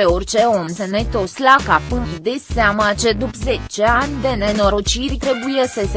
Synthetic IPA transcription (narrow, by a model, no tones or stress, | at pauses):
eo̞rʲt͡ʃe̞o̞msenet̪oslakapɨnid̪eseamat͡ʃe̞d̪upze̞t͡ʃe̞anʲd̪e̞neno̞ɾot͡ʃirʲt̪ɾe̞buje̞səs